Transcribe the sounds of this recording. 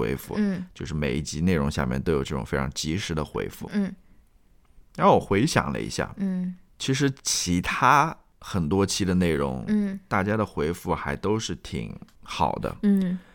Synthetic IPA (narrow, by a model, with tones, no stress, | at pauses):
wḛ˧˥ɪfṵ˥˩t͡ɕjo˥˧ʊʂɻ̩˥˩me˨˩ɪi˥˩t͡ɕi˧˥ne˥˩ɪɻʊ˧˥ŋɕja̰˥˧mjɛ˥˩nt̪o˥ʊjo˨˩ʈ͡ʂɤ˥˩ʈ͡ʂʊ̰˨˩ŋfe˥ɪʈ͡ʂʰɑ̰˧˥ŋt͡ɕi˧˥ʂɻ̩˧˥d̪ə˧xwḛ˧˥ɪfṵ˥˩˥ | ɻa˧˥o˥˩wɔ˨˩xwe˧˥ɪɕjɑ̰˨˩ŋlə̰˦˧ḭ˧˥ɕja̰˥˩˥t͡ɕʰi˧˥ʂ̬ɻ̩˧˥t͡ɕʰi˧˥t̪ʰa˥ | xə˨˩nt̪wɔ˥t͡ɕʰi˥d̪ə˧ne˥˩ɪɻʊ̰˧˥ŋ˩t̪a˥˩t͡ɕja˥d̪ə˨xwe˧˥ɪfu˥˩xa˧˥ɪt̪o˥ʊʂɻ̩˥˩t̪ʰḭ˨˩˦ŋxɑ˨˩ʊd̪ə̰˦˥˩